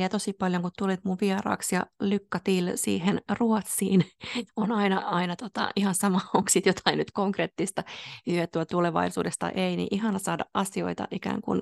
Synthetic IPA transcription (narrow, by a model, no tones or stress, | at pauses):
iæt̪osipɑljoŋkut̪t̪ulit̪muʋʋiɑrɑ̰ːksjɑ̰lykːɑt̪iːlsḭːhenruot̪siːnonɑinɑɑinɑt̪ot̪ɑ̰ihɑnsɑmɑoŋksit̪jot̪ʰɑinnyt̪koŋkret̪ːist̪ɑhyøt̪ːyæt̪uleʋɑ̰isṵːdest̪ɑ̰ʔeinḭʔihɑnɑsɑːdɑʔɑsio̰it̪ɑ̰ʔikæ̰ːŋkṵn